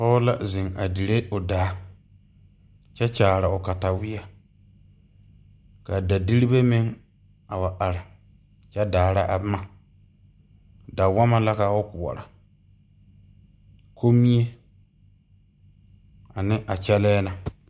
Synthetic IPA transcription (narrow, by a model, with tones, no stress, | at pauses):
tɔ˦ʊ˦la̰˦zɪ˨ŋa˨di˨ɾe˦ʊ˨daː˨˦ | t͡ʃɛ˦t͡ʃaː˨ɾa˨ʊ˨ka˨ta˨wɪ˦a˨ | ka˨da˨di˦ɾi˦be˦mɪ˦ŋ | a˨wa˨ʔa˨ɾɪ˨ | t͡ʃɛ˦daː˨ɾa˦ʔa̰˨bɪ˦ma˨ | da˨wa˦ma˦la˦ka˨ʊ˦kʊ˨ɔ̰˨ɾa˨ | kʰo˦mi˦e˦ | a˨nɪ˦ʔa˨t͡ʃɛ˦lɛː˦na˨